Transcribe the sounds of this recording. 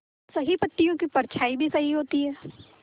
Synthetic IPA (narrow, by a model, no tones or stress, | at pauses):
sɐɦipɐt̪ːijõkipɐɾt͡ʃʰaːibʱisɐɦiɦoːt̪iɦɛː